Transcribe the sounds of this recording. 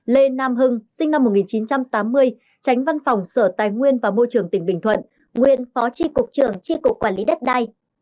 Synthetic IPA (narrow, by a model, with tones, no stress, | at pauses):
le˧naː˧mɦɨ˧ŋsï˧ŋ̟na˧mː˨˩t̚ŋi˨˩nt͡ɕi˨˦nt͡ɕa˧mt̪aː˨˦mːɨ˧əj | t͡ɕa˨˦jŋ̟va˧nfɔ˨˩wŋ͡msəː˧˩t̪aː˨˩jŋwi˧ənvaː˨˩mo˧jt͡ɕɨ˨˩əŋt̪ï˧˩ŋ̟ɓï˧˩ŋʰwə̰˧˨n | ŋwḭ˧˨ənfɔ˨˦t͡ɕi˧kʊ˨˩k͡p̚t͡ɕɨ˧˩əŋt͡ɕi˧kʊ˨˩kːwaː˧˩nli˨˦ɗə˦˥t̚ɗa˧j